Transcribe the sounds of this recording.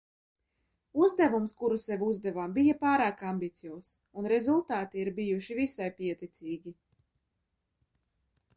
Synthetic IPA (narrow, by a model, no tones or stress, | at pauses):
uzd̪ævumskuɾusevuzd̪ɛvaːmbijapaːɾaːkambit̪sijɔːs | unɾezulˠt̪aːt̪iiɾbijuʃivisajpiɛt̪it̪siːɡʲi